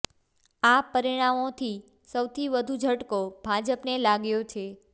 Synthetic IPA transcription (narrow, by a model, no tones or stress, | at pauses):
apəɾiɽ̃amot̪ʰi | səwt̪ʰiʋəd̪ʱud͡ʒʱəʈkobʱad͡ʒəpnelaɡjot͡ʃʰe